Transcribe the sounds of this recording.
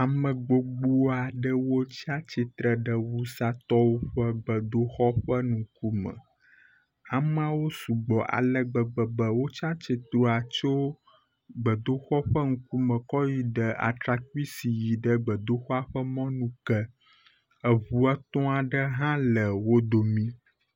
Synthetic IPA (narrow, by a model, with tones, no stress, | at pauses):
a˨mə̃˨ɡ͡bo˨ɡ͡bu˦a˨ɖə˦wo˦t͡ɕi˦a˦t͡ɕi˨t̪ɾə˨ɖə˦wu˦sa˦t̪ɔ˦wo˦ɸə˦ɡ͡bə˨d̪o˦xɔ˦ɸə˦nũ˨ku˦mə̰̃˨ | a˨mə˦a˦wo˦su˨ɡ͡bɔ˨ʔa̰˨lə˦ɡ͡bə˨bə˨bə˨wo˦t͡ʃã˦t͡ɕi˨t̪ɾo˨a˨t͡ʃo˦ | ɡ͡bə˨d̪o˦xɔ˦ɸə˦ŋũ˨ku˦mə̃˨kɔ˦ji˦ɖə˨a̰˨t̪ɾa˨ku˦i˦si˨ji˨ɖə˦ɡ͡bə˨d̪o˦xɔ˦a˦ɸə˦mɔ̃˦nũ˦kə˦ | ə˨βu˨ə˦t̪ɔ̃˦a˨ɖə˦ɦã˦lə˨wo˦d̪o˨mĩ˦